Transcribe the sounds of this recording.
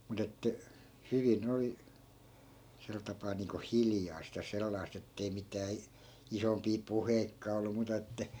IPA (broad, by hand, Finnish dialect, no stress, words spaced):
mut etːæ hyʋin oli sel tɑpɑː niːŋko hiljɑist jɑ selːɑist etːei mitæː i isompiː puheikːɑː olːu muːtɑ etːæ